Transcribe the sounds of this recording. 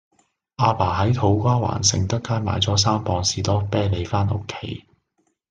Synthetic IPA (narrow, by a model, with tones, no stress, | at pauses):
ʔaː˧paː˨˩ɦɐ˨˥jt̪ʰo˨˥wkʷaː˥wa̰ː˨˩nsɪ̰˨ŋt̪ɐ˥kːaː˥jma̰ː˨˧jt͡sɔː˨˥s̬aː˥mpɔː˧ŋsiː˨t̪ɔː˥pɛː˥le˨˧jfaː˥nʔo̰˥kʰːe˨˩j